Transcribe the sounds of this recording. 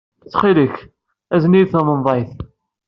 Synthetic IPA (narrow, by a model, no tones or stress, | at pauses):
t͡sːχiləç | æzniθəmənðˤɑjθ